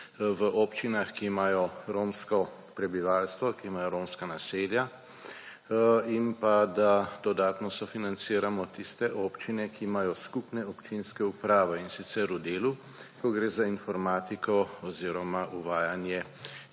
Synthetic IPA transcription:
ʋəʔɔːpt͡ʃinaxkiːmaːjɔɾoːmskɔ | pɾɛbiʋaːlst̪ʋɔkiimaːjɔɾoːmskanaseːlja | inpad̪ad̪̥ɔd̪aːt̪nɔsɔfinant̪siːɾamɔt̪ist̪ɛʔɔpt͡ʃinɛkiːmajɔskupnɛɔpt͡ʃinskɛupɾaːʋɛinsit̪sɛɾud̪eːlu | kɔɡɾeːzainfɔɾmaːt̪ikɔɔziːɾɔmaʔuʋaːjanjɛ

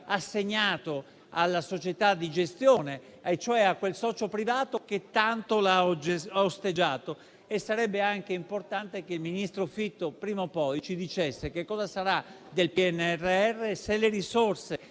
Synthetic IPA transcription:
asːeɲːaːt̪o | alːasot͡ʃet̪ad̪ːid͡ʒest̪joːne | t͡ʃoɛakːwelsɔːt͡ʃopɾivaːt̪oket̪ːant̪olaɔd͡ʒeaost̪ed͡ʒaːt̪o | esːaɾɛbːeaŋkeimport̪ant̪ekeilminist̪ɾofit̪ːopɾiːmopɔjt͡ʃid̪it͡ʃesːekekːɔːzasaɾa | d̪elpiɛnːɛrːeɛrːeselːeɾisorse

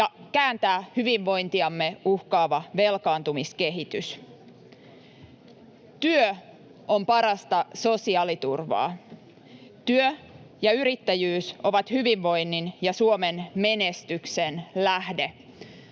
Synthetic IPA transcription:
jɑkæːnt̪æːhyʋiʋːo̞jnt̪iɑmːe̞uhkɑːʋɑʋe̞lkɑːnt̪umiskeɦit̪ys | t̪yø | ompɑɾɑst̪ɑso̞siɑːlit̪urʋɑ̰ː | t̪yøjɑyɾit̪ːæjyːso̞ʋɑt̪hyʋiʋːo̞jnːinjɑsuomenme̞nest̪yksenlæhde̞

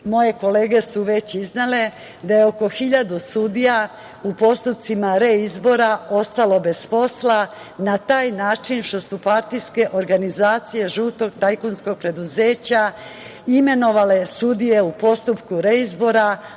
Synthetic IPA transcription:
mo̞je̞ko̞le̞ːɡe̞suʋe̞t͡ɕiznele̞ | d̪ajeoko̞xiʎad̪usud̪ija | upo̞st̪up̚t̪simaɾeizbo̞ɾao̞st̪alo̞be̞spo̞sla | nat̪aːjnaːt͡ʃinʃt̪o̞supaɾt̪ijske̞ʔo̞ɾɡanizaːt̪sije̞ʒuːt̪o̞ɡt̪ajkunskoɡ̚pɾe̞d̪uze̞ːt͡ɕa | ime̞no̞ʋale̞sud̪ije̞upo̞st̪upkuɾe̞izbo̞ɾa

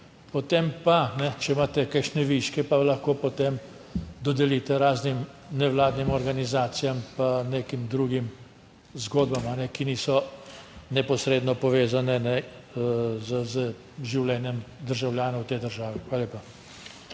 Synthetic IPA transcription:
pot̪empanɛt͡ʃɛmaːt̪ɛkakʃnɛʋiʃkɛpalɐxkoːpot̪em | d̪ɔd̪ɛlit̪ɛɾaːznim | nɛwlaːd̪nimɔɾɡanizaːt̪sijampaneːkimd̪ɾuɡim | zɡoːd̪bamanɛkinisɔ | nɛpɔsɾeːd̪nɔpɔʋeːzanɛnɛ | zəzə | ʒiwlɛːnjɛmd̪əɾʒawljaːnɔwt̪eːd̪əɾʒaːʋɛxʋaːlaleːpa

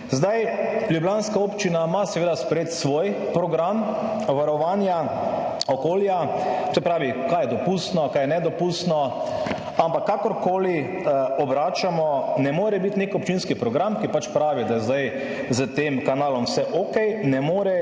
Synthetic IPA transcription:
zd̪ajljubljaːnskaoːpt͡ʃinamasɛʋeːd̪aspɾɛejeːt̪sʋojpɾɔɡɾamʋaɾɔʋanja | ɔkoːljasɛpɾaːʋikajɛd̪ɔpust̪nɔkajɛnɛd̪ɔpust̪nɔ | ampakːakɔɾkoːli | ɔbɾaːt͡ʃamɔnɛmoːɾɛbit̪nekɔp̚t͡ʃinskipɾɔɡɾamkipat͡ʃpɾaːʋid̪ajɛzd̪aj | zət̪eːmkanaːlɔmsɛʔokɛjnɛmoːɾɛ

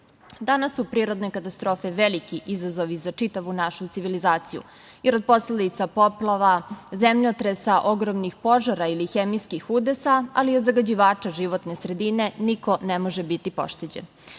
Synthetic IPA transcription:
d̪anasːupɾiːɾo̞d̪nekat̪ast̪ɾo̞ːfe̞ʋelikiʔizazoʋizat͡ʃit̪aʋunaʃut̪iʋilizaːt̪sijṵ | jeɾod̪̚posled̪it̪sapo̞plˠaʋazemʎot̪ɾesaʔo̞ɡɾomnixpo̞ʒaɾailixemiskixud̪esaaliod̪zaɡad͡ʑiʋaːt͡ʂaʒiʋo̞t̪nesɾe̞d̪ine̞niko̞nemo̞ʒebit̪ipo̞̰ʃt̪ed͡ʑḛn

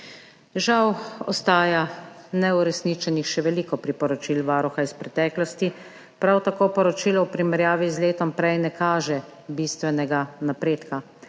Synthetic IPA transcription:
ʒawɔ̰st̪aːjanɛuɾɛsnit͡ʃɛnixʃɛʋɛliːkɔpɾipɔɾɔt͡ʃilʋaːɾuxaispɾɛt̪ɛːklɔst̪i | pɾawt̪akoːpɔɾɔt͡ʃiːlɔɔpɾimɛɾjaːʋizleːt̪ɔmpɾɛjnɛkaːʒɛ | bist̪ʋɛnɛɡanapɾeːt̪ka

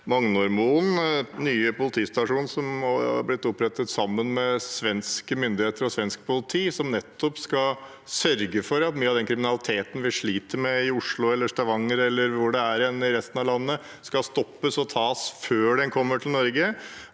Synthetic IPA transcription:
mɑŋnʊɾmuːnnyːəpʊlɪt̪ʰiːst̪ɑʂuːnsɔmɑ̰ɾblɪt̪ːɔpɾɛt̪ət̪sɑmːənmɛsʋɛnskəmʏnd̪ɪheːt̪əɾɔsʋɛnsk̚pʰʊlɪt̪ʰiːsɔmnɛt̪ʰːɔpskɑ | sœɾɡəfɔɾɑt̪myːɑʋd̪ɛnkʰɾɪmɪnɑlɪt̪ʰeːt̪n̩ʋɪʂɭiːt̪əɾmɛɪʊʂɭʊɛlːəʂʈ̪ɑʋɑŋːəɾɛlːəɾʋʊɖɛæɾɛnɪɾɛst̪nɑʋlɑnːə | skɑst̪ɔpːəsɔt̪ʰɑːsføːɖɛnkʰɔmːəʈʰɪlnɔɾɡə

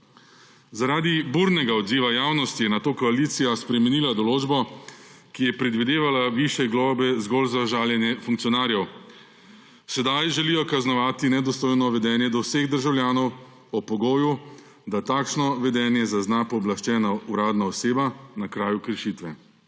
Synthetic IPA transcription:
zaɾaːd̪ibuɾnɛɡaɔd̪ziːʋajaːwnɔst̪ijɛnat̪oːkɔaliːt̪sijaspɾɛmɛniːlad̪ɔloːd͡ʒbɔ | kijɛpɾɛd̪ʋid̪eːʋalaʋiʃjɛɡlɔːbɛzɡɔlzaʒaːljɛnjɛfuŋkt̪sijɔnaːɾjɛw | sɛd̪ajʒɛliːjɔkaznɔʋaːt̪inɛd̪ɔst̪oːjnɔʋɛd̪ɛːnjɛd̪ɔwseɣd̪əɾʒawljaːnɔw | ɔpɔɡoːju | d̪at̪aːkʃnɔʋɛd̪ɛnjɛzaznapɔːblaʃt͡ʃɛːnauɾaːd̪naɔseːbanakɾaːjukəɾʃiːt̪ʋɛ

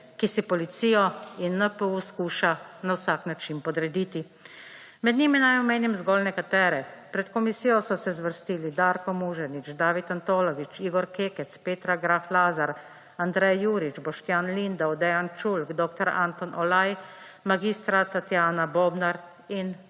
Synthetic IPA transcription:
kisipɔlit̪siːjɔinːəpəuskuːʃanawsaknat͡ʃinpɔd̪ɾɛd̪iːt̪i | mɛd̪niminajɔmeːnimzɡɔlnɛkat̪ɛːɾɛpɾɛt̪kɔmisiːjɔsɔsɛzʋəɾst̪iːlid̪aːɾkɔmuʒɛnit͡ʃd̪aːʋit̪ant̪ɔːlɔʋit͡ʃiːɡɔɾkeːkɛt̪speːt̪ɾaɡɾaflaːzaɾ | and̪ɾɛjːuːɾit͡ʃbɔʃt̪jaːnlind̪awd̪ɛjant͡ʃulkd̪ɔːkt̪ɔɾa̰nt̪ɔnʔɔlaj | maɡiːst̪ɾat̪at̪jaːnabɔːbnaɾ | in

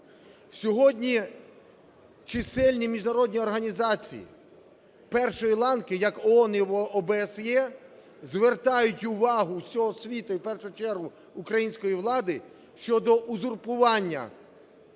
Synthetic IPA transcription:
sʲɔɦɔdʲnʲi | t͡ʃɪsɛlʲnʲimʲiʒnɐɾɔdʲnʲiɔrɦɐnʲizɑt͡sʲḭjḭ | pɛrʃɔjilˠɑnkɪjɐkɔɔnɪɔʔɔbesjɛ | zʋert̪ɑjʊtʲʊʋɑɦʊwsʲɔɦɔsʲʋʲit̪ʊipɛrʃʊt͡ʃɛrɦʊː | kɾɐjinʲsʲkɔjiʋlˠɑd̪ɪ | ʃt͡ʃɔd̪ɔʔʊzʊrpʊʋɑnʲːɐ̰

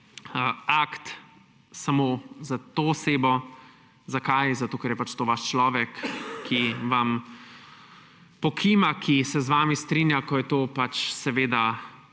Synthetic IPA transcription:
əakt̪ | samoːzat̪oːseːbɔ | zakajzat̪oːkɛɾjɛpat͡ʃt̪oːʋaʃt͡ʃlɔːʋɛkʰːiʋam | pɔkʰimakʰisɛzʋaːmist̪ɾinjakɔjɛt̪oːpat͡ʃsɛʋeːd̪a

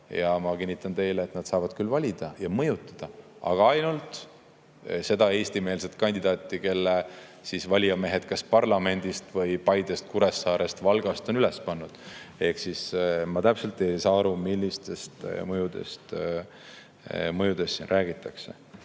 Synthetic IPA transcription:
jɑmɑkinʲːit̪ːˑɑnt̪e̞jleːt̪nɑd̪̥sɑːvɑd̪̥kylːvɑlʲid̪̥ɑjɑmɤjut̪ːˑɑ̥d̪̥ɑɑ̰ɡ̥ɑɑjnult̪ˑ | se̞d̪̥ɑe̞ːst̪ime̞ːlset̪̚kɑnʲd̪̥id̪ɑːt̪ːˑike̞lːe | sisvɑlʲiɑme̞ɦe̞d̪̥kɑspɑrlɑme̞nʲd̪̥ist̪vɤjpɑjd̪e̞st̪̚kuɾe̞sːɑːɾe̞st̪vɑlɡ̥ɑst̪o̞nyle̞spɑnːud̪̥e̞hksismɑt̪æpse̞lt̪ˑe̞jsɑɑɾumilːist̪e̞st̪mɤjud̪e̞̰st̪ | mɤjud̪̥e̞sːḭnrʔæːɡ̥it̪ːˑɑkse̞̰

